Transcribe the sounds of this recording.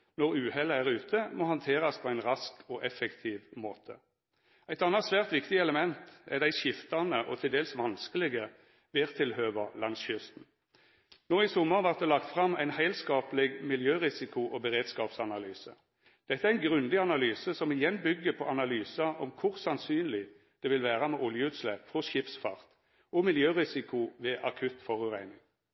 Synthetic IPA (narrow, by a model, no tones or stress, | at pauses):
nɔʁʉːhɛləæʁʉːt̪ʰəmɔhɑnt̪ʰeːʁɑspʰɔæɪnʁɑskɔʔɛfɛkt̪ʰiːʋmoːt̪ʰə | æɪt̪ɑnːɑt̪sʋæːʁt̪ʋɪkt̪ɪɛləmɛnt̪ɛʁd̪æɪʃɪft̪ɑnəʔɔt̪ʰɪld̪eːlsʋɑnskəlɪɡə | ʋeːʁt̪ʰɪlhøːʋəlɑnsʏst̪n̩ | noːɪsɔmːəʁʋɑʁt̪̚d̪ɛlɑkt̪fʁɑmæɪnhæɪlskɑːpəlɪɡmɪljøːʁɪsɪkʊʔɔbəʁeːd̪skɑːpsɑnɑlyːsə | d̪̥ɛt̪ːəæɪnɡʁʉnd̪ɪɑnɑlyːsəsɔmɪjɛnbʏɡːəpʰɔʔɑnɑlyːsɑʔɔmkʰʊʁsɑnsyːnlɪ | d̪̥ɛʋɪlʋæːʁɑmɛʔɔljəʉːt̪slɛpfɔʃɪpsfɑʁt̪ | ɔmɪljøːʁɪsɪkʊʋɛːʔɑkʰʉt̪fɔʁʉʁæɪnɪŋ